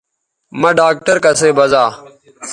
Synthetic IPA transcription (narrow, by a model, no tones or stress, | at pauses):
mə̃ɖaːk̚ʈəɾkəseːbəzaː